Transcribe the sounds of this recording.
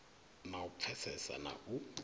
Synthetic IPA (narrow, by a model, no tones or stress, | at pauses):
naup̪fʰɛsɛsa̰na̰ʔu